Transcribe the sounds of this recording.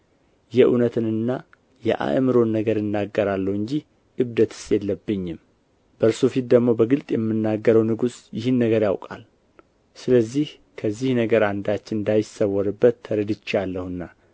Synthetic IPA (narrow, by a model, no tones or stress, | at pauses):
jɛʔunət̪ʰɨnɨnːa | jɛ̰ʔa̰ʔmɨɾo̞nːəɡəɾɨnːaɡːəɾalːəhɨɲd͡ʒih | ʔɨβd̪ət̪ʰɨ̥st̪ʼjɛlːəbːɨɲːɪm | bəɾsufit̪̚d̪əɡmo̞bəɡɨlt̪ʼjɛmːɨnːaɡːəɾəwnɨɡusjɪhɨnːəɡəɾjawkʼa̰l | sɨləzːih | kʰəzːihnəɡəɾand̪at͡ʃːɪnnd̪ajɪsːəwɔɾɨbːət̪ʰːəɾəd̪ɨt͡ʃːalːəhɨnːa